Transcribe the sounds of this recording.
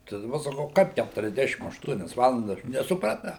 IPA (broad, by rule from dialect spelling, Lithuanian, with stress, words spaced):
tɐɪ dɐˈbɐ sɐˈkɐʊ ˈkɐɪp kʲætʊrʲɛzʲˈdʲæːʃʲɪm ɐʃˈtuɔnʲɛs ˈʋɑːlˠɐndɐs nʲɛsʊprɐˈtɐʊ